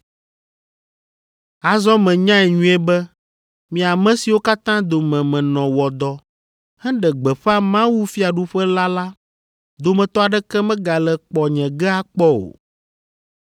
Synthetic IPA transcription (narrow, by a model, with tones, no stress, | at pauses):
a˨zɔ˦mɛ̃˨ɲã˦ɛ˨ɲũ˦ɛ˦bɛ˦ | mĩ˨a˨mɛ̃˦si˨wo˦ka˦t̪ã˦d̪o˨mɛ̃˨mɛ̃˨nɔ̃˨wɔ˨d̪ɔ˨ | hɛ̃˦ɖɛ˨ɡ͡bɛ˨ɸɛ˦a˦mã˦wu˦fi˦a˨ɖu˦ɸɛ˦la˦la˦ | d̪o˨mɛ̃˨t̪ɔ˦a˨ɖɛ˦kɛ˦mɛ̃˦ɡa˨lɛ˨k͡pɔ˨ɲɛ̃˨ɡɛ˦a˦k͡pɔ˦o̰˨